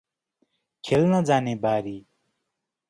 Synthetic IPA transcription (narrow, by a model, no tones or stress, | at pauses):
kʰelnad͡zaːnẽːbaːɾiː